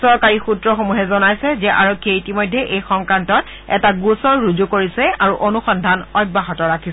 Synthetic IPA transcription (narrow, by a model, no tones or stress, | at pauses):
sɔɹkaɹixutɹɔxomuɦɛzɔnajsɛzɛʔaɹokʰːiɛitimɔjdʱːɛʔejxɔŋkantɔt | ɛ̰taɡusɔɹːud͡ʒukoɹisɛaɹuʔonuxɔndʱanɔjt̚baɦɔtɔɹakʰisɛ